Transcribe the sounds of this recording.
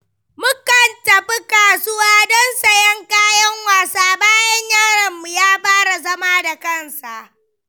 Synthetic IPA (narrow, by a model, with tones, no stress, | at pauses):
mʊ˦kɐ˨ntɐ˨ɸi˦kaː˨sʊ˦waː˦dɔ˦nsɐ˨jɐ˦ŋkaː˦jɐ˦ŋwaː˨saː˦baː˦jɐ˦ɲjaː˦ɽɐ˨mːu˨jaː˦ɸaː˦ɽa˨zɐ˦maː˦da˨kɐ˦˨nsa˨ʔ